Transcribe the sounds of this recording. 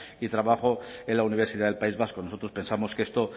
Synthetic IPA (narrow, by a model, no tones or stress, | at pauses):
it̪ɾaβaχoe̞nlauniβ̞siðaðe̞lpaizβaskonoso̞t̪ɾo̞spe̞nsamo̞ske̞st̪o